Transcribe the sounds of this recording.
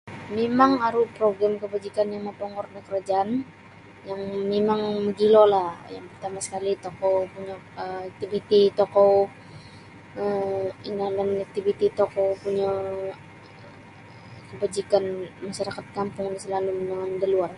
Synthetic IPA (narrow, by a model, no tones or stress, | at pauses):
memaŋaɾupɾoɡɾamkəbad͡ʒikanjaŋmapoŋɔrdakəɾad͡ʒaan | jaŋmemaŋməɡilolahja̰ŋpərt̪amasə̥kalit̪okopuɲa | ək̚t̪ibit̪it̪okɔ | əiŋalanak̚t̪ifit̪it̪okopuɲa | kəbad͡ʒikanmaʃaɾakat̪̚kampʊŋnisəlalumdaŋandəluar